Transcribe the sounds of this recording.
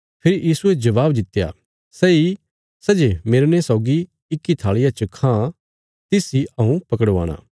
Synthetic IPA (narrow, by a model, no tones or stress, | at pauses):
pʰɪɾijiːsued͡ʒɐʋaːbd̪ɪt̪ːja̰ | sɛːi | sɛːd͡ʒemeːɾnesɔːɡi | ɪkːit̪ʰaːɭɪjat͡ʃəkʰã | t̪ɪsiɐɦũpɐkəɽʋa̰ːɽ̃a̰ː